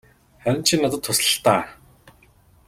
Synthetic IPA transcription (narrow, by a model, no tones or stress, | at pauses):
χœɾ̆ʲnt͡ɕʰinːat̪ə̆t̪ʰːʊsɮə̥̆ɬt̪aː